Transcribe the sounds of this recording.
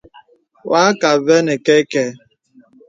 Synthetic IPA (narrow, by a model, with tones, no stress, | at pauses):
wa˦ka˨ve˦ne˨ke˦ke˦